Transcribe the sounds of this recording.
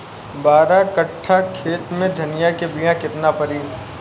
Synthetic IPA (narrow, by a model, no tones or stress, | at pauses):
baːɾakɐʈʰːakʰeːt̪mẽd̪ʱɐnɪjakebijãkɪt̪napɐɾiː